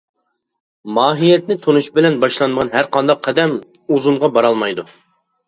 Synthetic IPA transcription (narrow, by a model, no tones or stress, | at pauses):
mɑːɦijɛt̪nɪt̪ʰonuʃbɪlɛnbɑʃlˠɑnmʁɑnɦæɾqʰɑnd̪ɑqʰːɛd̪ɛm | uzumʁɑbɑɾɑlˠmɑjd̪u